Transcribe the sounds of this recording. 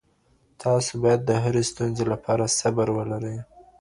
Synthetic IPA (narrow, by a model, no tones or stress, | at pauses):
t̪ʰɑsobɑjad̪ːəɦaɾest̪unzelapʰɑɾasabaɾwəlaɾəj